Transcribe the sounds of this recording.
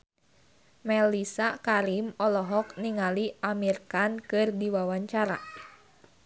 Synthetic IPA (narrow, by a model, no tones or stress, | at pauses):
mɛlisakaɾimɔlɔɦɔk̚niŋaliamirkankɨrdiwawaɲt͡ʃaɾa̰